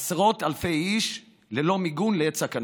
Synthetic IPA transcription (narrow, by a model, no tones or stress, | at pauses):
sʁo̞t̪alfe̞jiʃ | lelo̞miɡunleett͡sakan